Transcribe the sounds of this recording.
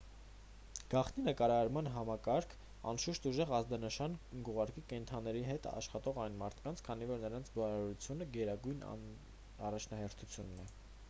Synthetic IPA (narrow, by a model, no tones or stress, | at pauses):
ɡ̥ɑχt̪ninəkɑɾɑɑɾmɑnɦɑmɑkɑɾkʰ | ɑ̰nʃuʃt̪uʒɛʁɑzd̪ɑnəʃɑnɡuʁɑɾkikɛnt̪ʰɑnːɛɾiɦɛt̪ɑ̰ʃχɑt̪ɔʁɑjnmɑɾt̪ʰkɑnt͡sʰkʰɑnivɔɾnəɾɑnt͡sʰbɑɾɑɾut͡sʰjunəɡɛɾɑɡujn̰ | ɑrɑt͡ʃʰnɑhɛɾt̪ʰut͡sʰjunːɛ